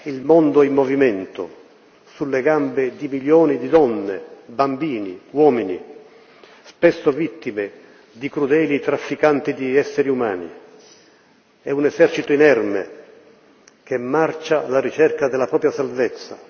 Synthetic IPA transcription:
ilmond̪ʊɛimːovimɛnt̪o̰ | sulːeɡambed̪imiljoːnid̪id̪ɔnːebambiːniwɔːmini | spɛsːovit̪ːime | d̪ikɾud̪ɛːlit̪ɾafːikant̪id̪iɛsːeɾiumaːnḭ | ɛunɛzɛrt͡ʃit̪ʊinɛrmḛ | k̟emːart͡ʃalaɾit͡ʃɛrkad̪ɛlːapɾɔːpɾjasalvet̪sːa̰

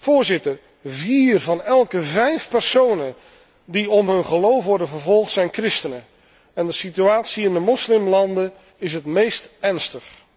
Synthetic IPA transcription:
v̥ʊːɹzɪtər | viːrvɑnɛlˠkəvɛjfpɛɹsownən | diɔmɦɵnχəlowfʋɔɹdənvəɹvɔlˠχtsɛjnkrɪstənə | ɛndəsityaːtsiɪndəmɔslɪmlɑndən | ɪs̬ɦətmejstɛɹnstəχ

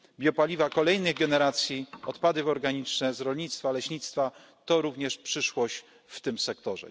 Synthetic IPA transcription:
bʲjɔpalʲivakɔlɛjnɘɣɡɛnɛɾat̪sʲjiɔt̪pad̪ɘvɔɾɡaɲit͡ʂnɛzɾɔlɲit̪st̪falɛɕɲit̪st̪fa | t̪ɔɾuvɲɛʂpʂɘʂwɔɕt͡ɕ | ft̪ɘmsɛkt̪ɔʐɛ̰

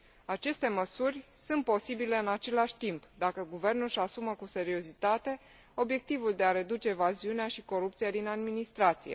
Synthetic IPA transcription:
at͡ʃe̞st̪e̞məsurʲsunt̪̚po̞sibile̞ɨnat͡ʃe̞laʃʲt̪impd̪akəɡuve̞rnulʃasuməkuse̞ɾio̞zit̪at̪e̞ | o̞bje̞k̚t̪ivuld̪e̞aɾe̞d̪ut͡ʃe̞ːvaziuneaʃiko̞ɾupt̪sijad̪inad̪minist̪ɾat̪sijḛ

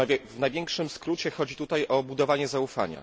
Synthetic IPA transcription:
vnajvʲjɛŋkʂɘmskɾut͡ɕɛxɔd͡ʑit̪ut̪ajʔɔbud̪ɔvaɲɛzaufa̰ɲa̰

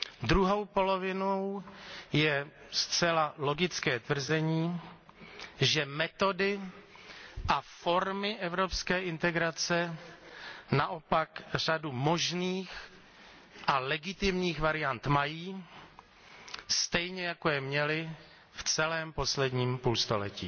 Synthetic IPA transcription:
d̪ɾuɦo̞wpo̞lo̞vɪnowjɛ | st͡sɛlalo̞ɡɪt͡skɛːt̪vr̩zɛɲiː | ʒɛmɛt̪o̞dɪ | ʔafo̞ɾmɪʔɛvɾo̞pskɛːʔɪnt̪ɛɡɾat͡sɛ | naʔo̞pakr̝̥adumo̞ʒniːx | ʔalɛɡɪt̪ɪmɲiːxvaɾɪjant̪majiː | st̪ɛjɲɛjakojɛmɲɛlɪ | ft͡sɛlɛːmpo̞slɛdɲiːmpuːlst̪o̞̰lɛ̰cḭː

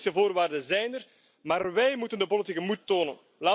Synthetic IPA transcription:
səvoːrʋaːrdənzɛjnər | maːrʋɛjmutəndəpolitikəmutːoːnə̰n | laː

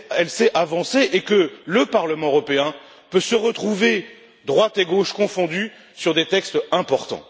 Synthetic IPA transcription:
ɛlsɛavɑ̃seʔekələpaʁləmɑ̃øʁɔpeɛ̃ | pøsəʁət̪χuve | d̪ʁwat̪eɡoʃkɔ̃fɔ̃d̪y | syʁd̪et̪ɛkst̪ɛ̃pɔʁt̪ɑ̰̃

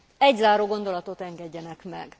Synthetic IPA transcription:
ɛɟzaːɾoːɡo̞nd̪o̞lɒt̪o̞t̪ɛŋɡɛɟːɛnɛkmɛ̰ɡ

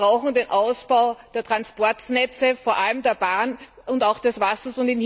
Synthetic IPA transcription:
ʁaʊxŋ̩deːnʔaʊsb̥aʊd̥eːɐtʁ̥anspɔɐtnɛt͡səfoːɐʔaləmdeːɐbaːn | ʊntaʊxd̥ɛsv̥asɐsʊntɪnh

